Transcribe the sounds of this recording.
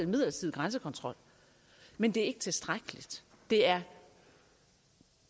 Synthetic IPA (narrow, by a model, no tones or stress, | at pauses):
nmið̰ˠlɐsʰiðˠɡ̥ʁɑnsəkʰɒ̽nt͡sʰʁɒ̽l̰ | mend̥e̝æɐe̝ɡ̥ət͡sʰe̝sd̥ʁaɡ̥əlid̥ | d̥e̝æɐ